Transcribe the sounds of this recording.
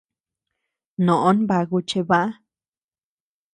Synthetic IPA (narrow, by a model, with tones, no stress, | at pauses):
nõ˨ʔo˦nba˧ɡu˧t͡ʃe˧ba˦a˦